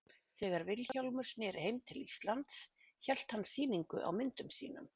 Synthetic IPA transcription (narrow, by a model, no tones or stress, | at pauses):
θɛːɣaɾvɪlçaawlmʏɾ̥snɛːɾheːjmt̪ʰɪlist̪lant̪s | çɛl̥t̪hanːsiːniŋkʏ̰ʔa̰wmɪnt̪ʏmsḭːnʏ̰m